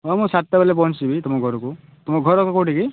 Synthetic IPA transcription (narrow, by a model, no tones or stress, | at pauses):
ɔmũsat̪ːabalep̬ɔɦt͡ʃibʱit̪umɔɡʱɔɾɔku | t̪umɔɡʱɔɾɔkɔkoʈiki